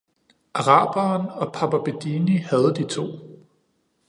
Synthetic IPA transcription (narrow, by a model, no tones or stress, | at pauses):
ʔɑ̈ʁɑ̰̈ːb̥ɐnɒ̽pʰɑ̈b̥æb̥ed̥inihæð̞ˠd̥it͡sʰo̝̰ː